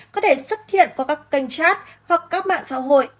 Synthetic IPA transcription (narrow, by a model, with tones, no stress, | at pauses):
kɔ˨˦t̪ʰe˧˩sə˦˥t̚t̪ʰḭ˧˨ənvaː˨˦kaː˦˥kːa˧˩jŋ̟saː˦˥t̚ | hwa˨˩k̚kaː˦˥k̚ma̰ː˧˨ŋsa̰ː˧˥ɦo̰˧˨jʔ